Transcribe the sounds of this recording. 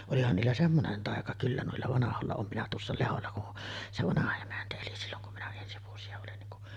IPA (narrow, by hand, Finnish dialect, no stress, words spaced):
olihɑn niːlːæ semːonen tɑˑekɑ kylːæ nuilːɑ ʋɑnɑholːɑ oːm minæ tuosːɑ leholːɑ kun se ʋɑnɑhɑ emæntæ eli silːoŋ kum minæ ensi ʋuosiɑ olin niŋ ku